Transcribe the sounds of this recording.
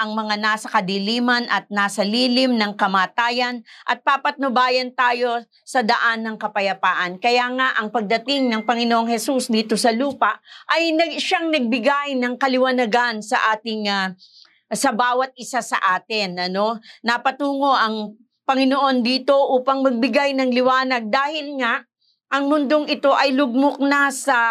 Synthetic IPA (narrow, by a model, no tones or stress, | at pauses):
ʔɐŋmɐŋanaːsɐkɐd̪iliːmɐnʔɐt̪̚naːsɐliːlɪmnɐŋkɐmaːt̪aːjɐnʔɐt̪̚papɐt̪̚nobaːjɐnt̪aːjo̞ | sɐd̪ɐʔanːɐŋkɐpɐjɐpaːʔɐnkɐjaŋaʔɐŋpɐɡ̚d̪ɐt̪ɪŋnɐŋpɐŋɪnoʔoŋhɛsusd̪iːt̪o̞sɐluːpɐʔɐjnɐʃaŋnɐɡ̚bɪɡajnɐŋkɐlɪwɐnɐɡansɐʔaːt̪ɪŋa | sɐbaːwɐt̪̚ʔɪsasɐ̰ʔaːt̪ɪnʔɐno̞nɐpɐt̪uːŋo̞ʔɐŋ | pɐŋɪnoʔo̞nd̪iːt̪o̞ʔuːpɐŋmɐɡ̚bɪɡajnɐŋlɪwaːnɐɡ̚d̪aːhɪlŋaʔ | ʔɐŋmʊnd̪oŋɪt̪o̞ʔɐjlʊɡ̚mok̚nasɐ